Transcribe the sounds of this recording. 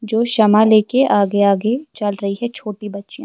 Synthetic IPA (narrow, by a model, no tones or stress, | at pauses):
d͡ʒoːʃɐmaleːkeʔaːɡeaːɡet͡ʃɐlɾɐɦiɦɛt͡ʃʰoːʈibɐtːʃijã